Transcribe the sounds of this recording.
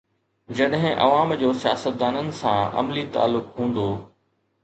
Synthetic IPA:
d͡ʑɐɗɦɪ̃ʔɐ̰ʋaːmd͡ʑoːsija̰ːsət̪̚d̪aːnənɪ̆sã̰ɐ̰mlit̪a̰ːlːʊkɦũːnd̪oː

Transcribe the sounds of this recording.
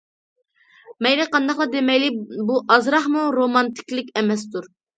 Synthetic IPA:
mɛjnɪqʰɑnd̪ɑχlˠɑd̪emɛjlɪbuʔɑzɾɑχmuɾomɑnt̪ʰɪ̥kʲlɪkʲɛmɛs̬t̪uɾ

